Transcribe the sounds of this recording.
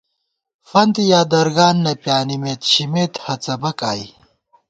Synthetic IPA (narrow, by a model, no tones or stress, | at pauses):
fɐnt̪ijaːd̪ɐɾɡaːnːɐpjaːnimeːt̪ɕimeːt̪hɐt͡sɐbɐkaːj